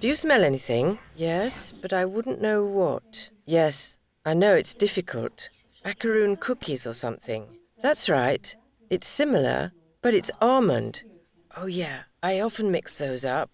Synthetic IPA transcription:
d̥ɨjɨsmɛlˠɛniθɪ̃ŋjɛsb̥ʌɾaɪwʊdⁿn̩noʊwʌ̰t̚ | jɛs | ʔaɪnoʊɨtsd̥ɪfɨkʰə̰l̩ˠt | ækə˞ʉ̃nkʰʊkʰizə˞sʌ̰̃mθɪ̰̃ŋ | ðætsɹaɪt | ɨtsɪ̃ml̩ˠə̰˞ | b̥ʌɾɨtsɑɹmə̰̃nd̥ | ʔoʊjæaɪɑfɨ̃n̩mɪksðoʊzʌp̚

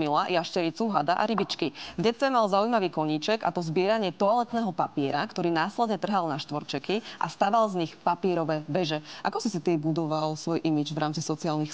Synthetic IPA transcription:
milajaʃcɛɾit͡suɦad̪aʔa̰ɾibit͡ʃkivɟɛt͡sɛmalzaujmaʋiːkɔɲiːt͡ʃɛɡa̰t̪ɔzbɪɛɾaɲɪɛt̪ɔalɛt̪nɛːɦɔpapiɛɾakt̪ɔɾiːnaːslɛd̪ɲɛt̪r̩ɦalnaʃt̪ʋɔɾt͡ʃɛkiʔa̰st̪aːʋalzɲixpapiɛɾɔʋɛbɛʒɛʔakɔsisit̪iːbud̪ɔʋalsʋɔjʔimid͡ʒvɾaːmt͡sisɔt͡siaːlnix

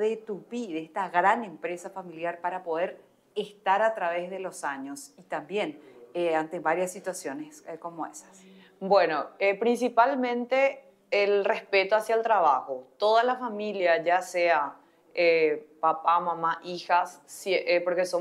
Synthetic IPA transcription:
ðet̪uβiðest̪aɣɾane̞mpɾesafamiljaɾpaɾapo̞ðe̞ɾ | est̪aɾat̪ɾaβe̞zðe̞lo̞saɲo̞sit̪ambje̞neant̪eβaɾjasːit̪wasjo̞nesko̞moesḁs | bwenoepɾinsipalmẽnt̪eː | lrespe̞t̪oasjalt̪ɾaβaxot̪oðalafamiljad͡ʒasea | epapamãmaʔixasːeʔepoɾkeso

